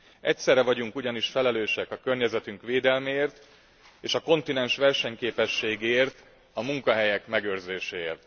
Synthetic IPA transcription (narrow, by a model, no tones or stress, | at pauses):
ʔɛcsɛrɛvɒɟuŋkuɟɒniʃfɛlɛløːʃɛkɒkø̞rɲɛzɛt̪yŋkʋeːd̪ɛlmeːeːrt̪ | eːʃɒko̞nt̪inɛnʃʋɛrʃɛɲkeːpɛʃːeːɡeeːrt̪ | ɒmuŋkɒɦɛjɛkmɛɡøːrzeːʃeːḛːrt̪